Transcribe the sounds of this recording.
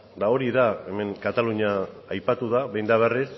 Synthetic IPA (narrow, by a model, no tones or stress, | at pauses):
d̪ao̞ɾiðae̞me̞ŋkat̪aluɲaː | jpat̪uðaβe̞jnd̪aβ̞eris